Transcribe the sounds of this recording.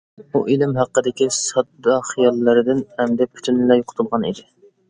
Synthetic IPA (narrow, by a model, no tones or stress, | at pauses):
uʔelɪmɦæqːəd̪ɪkʲisɑd̪ɑχijɑlˠːɨɾɪd̪ɪnɛmd̪ɛpʰy̥t̪ʰynlɛjoqʰʊ̥t̪ʰʊlˠʁɑnḭd̪ɪ